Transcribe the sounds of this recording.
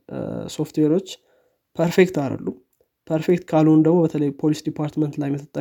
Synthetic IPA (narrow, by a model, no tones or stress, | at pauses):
so̞ft̪ʰweɾo̞t͡ʃː | pʰəɾfekt̪alə̰lːu | pʰəɾfekt̪kʰalund̪əɡmo̞bət̪ʰələjpʰo̞lisd̪ipʰaɾt̪mənt̪lajmːɨt̪ʰːɨt̪ʼːə